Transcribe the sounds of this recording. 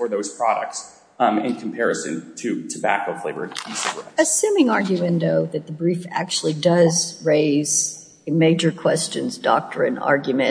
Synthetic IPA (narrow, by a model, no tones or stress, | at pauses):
fə˞ðoʊz̥pʰɹ̥ɑɾə̰k̚ts | ɪ̰̃nkʰm̩pʰɛɹɨsɨ̰̃ntʰɨtʰəbæ̰koʊfleɪvə̰̥˞isɨɡə˞ɨsʉ̃mɪ̃ŋɑɹɡjɨwɨ̃ndoʊðɨt̪̚ðəbɹifæ̰k̚t͡ʃul̩ˠidʌzɹeɪz̥ | ɨmeɪd͡ʒə˞kʰw̥ɛst͡ʃɨ̰̃nzdɔ̰k̚tʰɹɨ̰̃nɑ̰ɹɡjmɨ̃